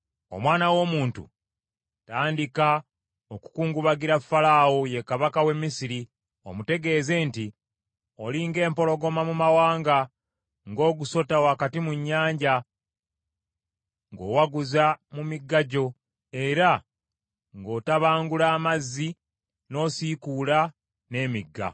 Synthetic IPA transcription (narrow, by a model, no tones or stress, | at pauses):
o̰mwaːnawo̞ːmuːntṵ | taːndika | o̞ku̥kuːŋɡuβaɡiɾafːalaːwoje̞kaβakawe̞mːisiɾi | o̞mute̞ɡe̞ːze̞ːnti | o̞liːŋɡe̞ːmpo̞lo̞ɡo̞mamumawaːŋɡa | ŋɡo̞ːɡuso̞tawaːkatimuɲːaːɲɟa | ŋɡo̞̰ːwaɡuzamumiɡːaɟo̞ | e̞ɾa | ŋɡo̞ːtaβaːŋɡulaːmazːi | no̞ːsikuːla | ne̞ːmiɡːa̰